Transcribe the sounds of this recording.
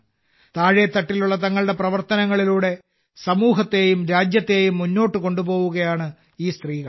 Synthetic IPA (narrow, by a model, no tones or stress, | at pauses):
t̪aːɻjɐt̪ːɐʈːiluɭːɐt̪̬ɐŋːɐɭɽe̞prɐʋɐrt̪ɐnɐŋːɐɭiluːɽe̞ | sɐmuːɦɐt̪ːe̞jumɾaːd͡ʑjɐt̪ːe̞ːjumːunːo̞ːʈːɨko̞ɳɖubo̞ːɣwuɣɐjaːɳɨ | iːst̪riːɣɐɭ